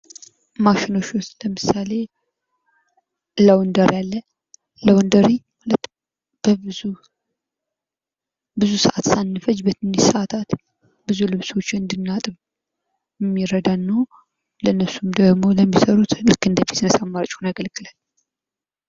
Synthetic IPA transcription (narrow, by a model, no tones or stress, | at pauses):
maʃɪno̞ʃost̪ləmɨsale̞ | ləwnd̪əɾjalːə | ləwnd̪əɾi | hulət̪ː | b̥əu | bɨzusəʔat̪sanːɨfət͡ʃːbət̪ɨnisəat̪ʰat̪ | bɨzulɨβso̞t͡ʃːɪɨnd̪ɨnːat̪ʼɨβ | jɛmːiɾəd̪anːəw | ləɨnːəβsumd̪əɡmo̞ləmːisəɾut̪lɨkːɨnd̪əfi̥t̪sɨnəsamːaɾət͡ʃʼunajɡəlɡɨlal